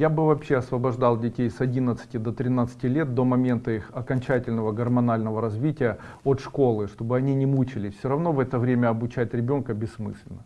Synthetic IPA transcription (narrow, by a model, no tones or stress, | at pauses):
jabɨvɐpɕːeɐsvəbɐʐd̪ɑlˠdʲɪtʲejsɐdʲinət̪sɨ̥tʲɪd̪ət̪ɾʲɪnat̪sɨ̥tʲɪlʲe̞t̪̚d̪o̞mɐmʲe̞nt̪əixɐkɐnʲt͡ɕætʲɪlʲnəvəɡərmɐnalʲnəvəɾɐzvʲitʲɪjə | ot̪ʂko̞lˠɨʂt̪o̞bɨɐnʲinʲɪmut͡ɕɪlʲɪfsʲoɾɐvno̞vɛt̪əvɾʲemʲəɐbʊt͡ɕæt̚ʲɾʲɪbʲo̞nkəbʲɪsmɨ̰sʲlʲɪ̰nːə